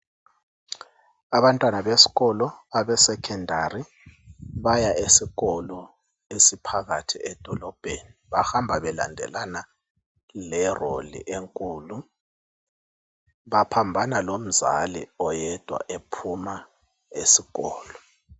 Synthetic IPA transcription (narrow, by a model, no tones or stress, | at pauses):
aβantʼwanaβesi̥ɣɔlɔaβɛsɛkʰɛndʱari | βajaesiɣɔlɔ | esipʰaɣatʰiɛd̥ʱɔlɔb̥ʱeniβahambʱaβɛla̰ndʱɛ̰lana | lɛro̰lḭʔeŋkʼuːlu | βapʰambʱanalom̩za̰lḭɔjɛd̥ʱwa̰ʔepʰuma | esiɣɔːlɔ